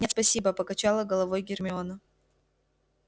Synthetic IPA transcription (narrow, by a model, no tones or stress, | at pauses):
aspɐsʲibəpəkɐt͡ɕalˠəɡəlˠɐvo̞jɡʲɪrmʲɪonə